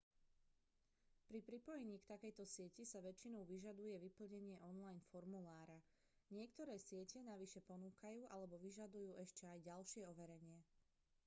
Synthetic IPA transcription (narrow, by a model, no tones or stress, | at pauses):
pɾipɾipɔjɛɲiːkt̪akɛjt̪ɔsɪɛcisaʋɛt͡ʃinɔʊʋiʒad̪ujɛʋipl̩ɲɛɲɪɛʔɔnlajnfɔɾmulaːɾa | ɲɪɛkt̪ɔɾɛːsɪɛcɛnaʋiʃɛpɔnuːkajuːʔalɛbɔʋiʒad̪ujuːʔɛʃcɛajɟalʃɪɛɔʋɛɾɛɲɪɛ